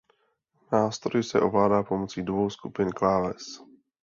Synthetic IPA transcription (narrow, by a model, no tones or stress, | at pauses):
naːst̪ɾojɪsɛʔo̞vlaːdaːpo̞mot͡siːdvo̞wskupɪnklaːlɛs